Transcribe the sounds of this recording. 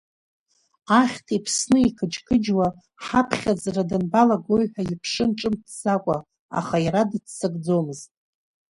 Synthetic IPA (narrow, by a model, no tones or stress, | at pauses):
aχʲtʰipʰsnɨikʰɨt͡ʃkʰɨd͡ʒwa | ħapʰχʲad͡zradɨnbalaɡoɥħʷᶣaipʰʂɨnʈ͡ʂʼɨmtʰz̥akʷʼa | a̰χaiɾadɨt͡sʰsɨɡʼd͡zomɨztʼ